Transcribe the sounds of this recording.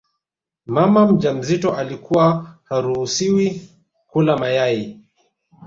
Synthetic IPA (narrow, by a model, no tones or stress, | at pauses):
mamam̩d͡ʒam̩zitɔʔalikuwahaɾuhusiwi | kulamajai